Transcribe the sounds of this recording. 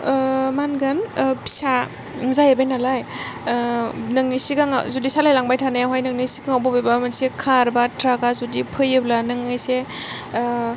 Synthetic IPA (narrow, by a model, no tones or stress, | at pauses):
manɡɐnpʰi̥sa | zajabajnalaj | nɐŋnisiɡaŋazudisalajlaŋbajtʰanajɦwajnɐŋnisi̥ɡaŋawbɔbebamansekʰaɾbatɾaɡazudipʰɯjɯblanɯŋːajse